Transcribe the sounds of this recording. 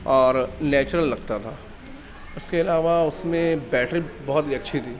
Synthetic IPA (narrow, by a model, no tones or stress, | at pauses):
ɔːɾnɛːt͡ʃɾəlːɐɡ̚t̪at̪ʰaː | ʊskeɐlaːʋaʊsmẽbɛːʈʰɾibɔɦʊt̪iɐtːʃʰit̪ʰiː